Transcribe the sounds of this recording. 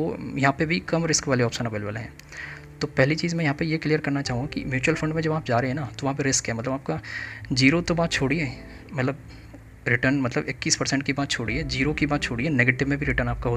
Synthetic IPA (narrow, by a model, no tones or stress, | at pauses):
o̰ːjɐɦãːpebʱikɐmɾɪskʋaːleɔːpʃənɐbəlʋəlɦɛ̰̃ː | t̪oːpɛɦlit͡ʃiːzmɛ̃jɐɦãːpɐjeklijəɾkɐɾnat͡ʃaːɦũɡakḭmjuːt͡ʃuwəlfʰɐ̃ɳɖmẽd͡ʒɐbaːpd͡ʒaːɾeɦeɦɛ̃nat̪oʋɐɦãpeɾɪskɦɛːmɐt̪ləbaːpkad͡ʒiːɾot̪obaːt̪̚t͡ʃʰoːɽiɦɛː | mɐt̪ləb | ɾɪʈəɾnmɐt̪ləbɪkːiːspɐɾsɛ̃ɳʈkibaːt̪t͡ʃʰoːɽiɛːd͡ʒiːɾokibaːt̪t͡ʃʰoːɽiɦɛːneːɡeːʈɪʋmẽbʱiɾɪʈəɾnaːp̚kaɦoːt̪